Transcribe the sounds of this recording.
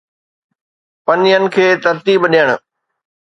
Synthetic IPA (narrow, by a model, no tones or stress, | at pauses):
pɐniənɪ̆kʰeːt̪ɐɾt̪iːbɗiəɽ̃ʊ